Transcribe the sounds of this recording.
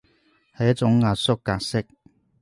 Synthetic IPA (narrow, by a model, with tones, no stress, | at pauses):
hɐ˨jɐ˥t̚t͡ʃʊ˨˥ŋːaː˧t̚sʊ˥kːaː˧k̚sɪ˥k̚